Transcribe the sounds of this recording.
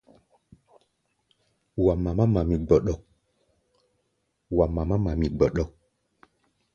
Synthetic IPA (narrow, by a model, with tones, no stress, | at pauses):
wa˨ma˨ma˦ma˨mĩ˨ɡ͡bɔ˨ɗɔ˨k̚ | wa˨ma˨ma˦ma˨mi˨ɡ͡bɔ˨ɗɔ˨˦k̚